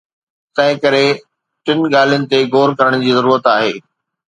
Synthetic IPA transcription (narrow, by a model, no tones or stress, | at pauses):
t̪ɐ̃ɦɪ̃kɐɾe | ʈɪnɠaːl̤ijənɪ̆t̪eɡoːɾkɐɾəɽ̃̆d͡ʑiːzɐɾuːɾət̪aːɦeː